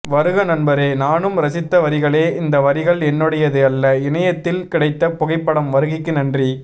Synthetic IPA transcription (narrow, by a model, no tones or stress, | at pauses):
ʋɐɾɯɣɐnɐnbɐɾeːnaːnɯmɾɐsɪt̪ːɐʋɐɾɪɣɐɭeːɪnd̪ɐʋɐɾɪɣɐɭɛnːɯɽɐjɐðɯɐlːɐɪɳɐjɐt̪ːɪlkɪɽɐɪt̪ːɐpʊɣɐɪpːɐɽɐmʋɐɾɯɣɪkːɯnɐndri